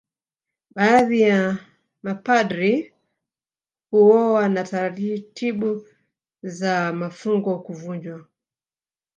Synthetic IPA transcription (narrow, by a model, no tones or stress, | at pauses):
ɓaːðija | mapadɾi | huwɔwanataɾatitiɓu | zamafuŋɡɔkuvuɲd͡ʒwa